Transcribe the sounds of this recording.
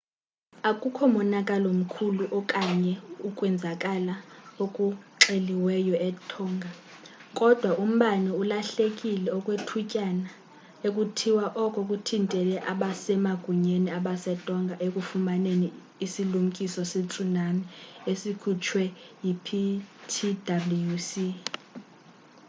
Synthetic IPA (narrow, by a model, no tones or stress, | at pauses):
akʼukʰɔmɔnakʼalom̩kʰuluʔɔkʼaɲɛukʼwɛnd͡zʱakʼalaokʼuǁeliwɛjɔɛtʰɔːŋɡʱa | kʼɔd̥ʱwaʔum̩ɓanɛulaɬekʼilɛɔkʼwetʰucʼana | ekʼutʰiwaʔɔkʼokʼutʰintʼɛlɛʔaɓasɛmaɡ̥ʱuɲeniaɓasɛtʼɔŋɡʱaʔekʼufumaneni | isilum̩kʼisɔsit͡sʰʼunamiesikʰut͡ʃʰwɛjipʰitʰidablujusi